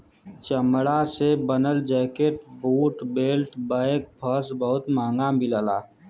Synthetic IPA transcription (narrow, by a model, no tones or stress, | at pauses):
t͡ʃəmɽasebənəld͡ʒɛːkeʈbuːʈbeːlʈbaːk̚bʰʱəsbəɦʊt̪mãːŋɡabʱiləːlaː